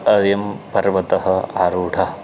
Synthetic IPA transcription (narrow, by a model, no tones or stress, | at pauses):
ɐɾjɐmpɐɾʋɐt̪ɐɦɐaːɾuːɖʰʱɐ